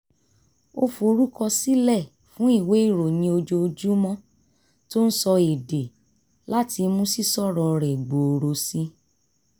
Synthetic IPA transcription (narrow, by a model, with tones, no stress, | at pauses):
o̰˦fo˧ɾu˦kɔ˧si˦lɛ˦˨ | fũ˦i˦˨we˨˦i˦˨ɾo˨nĩ˧o˧d͡ʒo˧o˧d͡ʒu˦mɔ̃˦ | to˦n̩˦sɔ˧e˨de˨ | la˦ti˧mũ˦si˦˨sɔ˦˨ɾɔ˨˧˨ɾɛ˨ɡ͡bo˨o˨ɾo˧si˦